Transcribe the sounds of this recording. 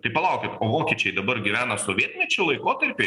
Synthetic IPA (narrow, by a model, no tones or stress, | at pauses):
t̪ɐɪpɐlˠɐʊkʲɪt̪oːʋoːkʲiɛːt͡ʃʲɛɪd̪ɐbɐrɡʲɪʋʲæːnɐsoːʋʲiɛt̪ʲnʲɛt͡ʃʲʊlˠɐɪkoːt̪ɐɾʲpʲɪ